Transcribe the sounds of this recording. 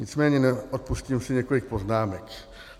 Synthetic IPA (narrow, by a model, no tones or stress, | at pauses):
ɲit͡smɛːɲɛnɛɔt̪̚pusciːmsiɲɛkɔlikpɔznaːmɛk